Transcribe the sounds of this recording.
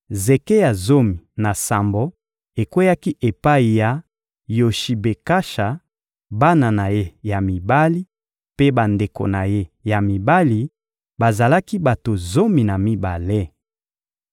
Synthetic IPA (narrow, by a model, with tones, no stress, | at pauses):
ze˨ke˦ja˨zo˦mi˨na˨sa˨mbo˦ | e˨kwe˦ja˦ki˦ʔe˨pa˦i˨ja˨ | jo˨ʃi˨be˨ka˦ʃa˨ | ba˦na˨na˨je˦ja˨mi˨ba˦li˦ | pe˦ba˨nde˨ko̰˨na˨je˦ja˨mi˨ba˦li˨ | ba˨za˨la˦ki˦ba˨to˨zo˦mi˨na˨mi˦ba˨le˦